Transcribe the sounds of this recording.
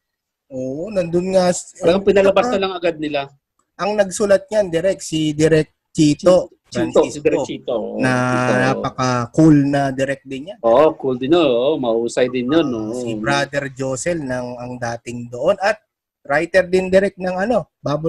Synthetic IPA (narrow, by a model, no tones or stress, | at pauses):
ʔoːʔonɐnd̪onŋasaɡɐpɪnɐlɐbasɐlɐŋɐɡad̪̚nɪla | ʔɐŋnɐɡ̚sulɐt̪̚ɲand̪ɪɾɛk̪̚sid̪ɪɾɛk̚t͡ʃiːt̪o̞ | ɐnosid̪ɛɾɛt͡ʃit̪onɐnaːppɐkɐkulnɐd̪ɪɾɛk̚d̪ɪnjanoʔokuld̪ɪnonoʔomɐʔuːsɐjd̪ɪnjonosibɾaːd̪ɛɹd͡ʒoːsɛlnɐŋɐŋd̪aːt̪ɪŋd̪o̞ʔo̞nʔɐt̪̚ | ɾajt̪ɛɾd̪ɪnd̪ɪɾɛk̚t̪̚nɐŋɐno̞baːbʊ